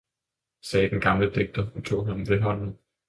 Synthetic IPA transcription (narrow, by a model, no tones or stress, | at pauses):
sɛːd̥enɡ̥ɑ̈mləd̥eɡ̥̚d̥ɐut͡sʰo̝̰ːɦænɒmʋeɦɒ̽n̰n̩